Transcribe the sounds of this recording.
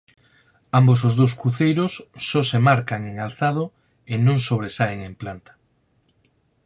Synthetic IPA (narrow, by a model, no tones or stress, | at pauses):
ambos̬ozðowskuθejɾosːɔsemaɾkaŋeŋalθað̞o | enõŋsoβɾesaeŋemplant̪ḁ